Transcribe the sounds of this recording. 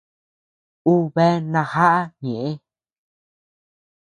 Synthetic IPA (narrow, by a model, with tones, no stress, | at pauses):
u˦βe˦nã˧ha˦ʔa˦ɲẽ˨ʔẽ˦